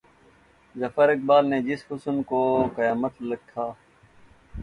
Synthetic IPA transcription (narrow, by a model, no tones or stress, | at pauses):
zəfəɾɪk̚baːlneːd͡ʒɪshʊsʊnkoːkəjaːmət̪ləkʰːaː